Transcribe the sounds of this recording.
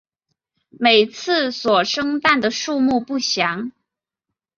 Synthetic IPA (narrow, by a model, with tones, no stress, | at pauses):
me˨˩ɪt͡sʰɹ̩˥˩swɔ˨˩ʂɤ˥ŋt̪a˥˩nd̪ə˩ʂu˥˧mu˥˧pu˥˩ɕjɑ˧˥ŋ